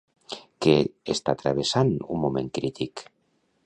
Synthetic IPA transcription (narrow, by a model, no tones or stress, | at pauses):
keest̪at̪ɾaβ̞esanṵmmomẽŋkɾit̪ik